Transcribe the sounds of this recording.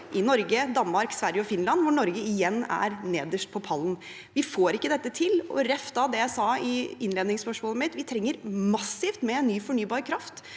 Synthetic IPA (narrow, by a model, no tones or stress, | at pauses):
ʔɪnɔɾɡəd̪ɑnːmɑɾksʋæɾjəɔfɪnlɑnːʋʊɳɔɾɡəɪjɛnːæ̰ɾneːd̪əʂʈ̚pʰɔpʰɑlːn | ʋɪfoːɾɪkːəd̪ɛt̪ːət̪ʰɪlɔ̰ɾɛft̪ɑd̪ɛjæɪsɑːɪɪnleːd̪nɪŋspœʂmɔːləmɪt̪ʋɪt̪ʰɾɛŋːəɾmɑsɪft̪mɛɛnːyːfɔɳyːbɑːɾəkʰɾɑft̪